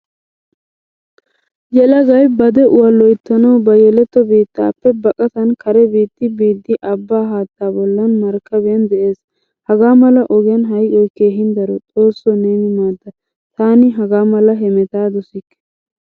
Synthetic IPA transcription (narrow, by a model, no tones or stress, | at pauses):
jɛlɐɡɐjbɐd̪ɛʔʊwɐlːɔjt̪ːɐnɐwbɐjɛlɛt̪ːɔbiːt̪ːa̰ːpːɛbɐkʼɐt̪ɐnkʰɐɾɛbiːt̪ːɪbiːd̪ːɪʔɐbːaːɦaːt̪ːaːbɔlːɐnmɐɾkːɐbɪjɐnd̪ɛʔe̞ːs | hɐɡaːmɐlɐʔɔɡɪjɐnɦɐjʔɔjke̞ːɦɪnd̪ɐɾɔt͡sʼo̞ːsːɔneːnɪmaːd̪ːɐ | t̪aːnɪɦɐɡaːmɐlɐɦɛmɛt̪aːd̪ɔsɪkː